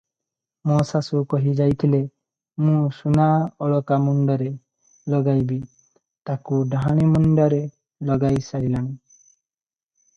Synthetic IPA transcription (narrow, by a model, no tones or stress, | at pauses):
mɔsasukɔɦid͡ʒajt̪ʰile | mũsunaɔɭɔkamuɳɖɔɾe | lɔɡajbi | t̪akuɖaɦaɽ̃imɔɳɖɔɾe | lɔɡajsaɽilaŋ